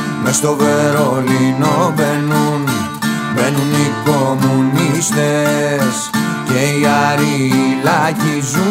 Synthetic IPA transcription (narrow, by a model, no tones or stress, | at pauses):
mest̪o̞ve̞ɾolino̞venun | benuniko̞munist̪es | ceiɐɾilɐcizu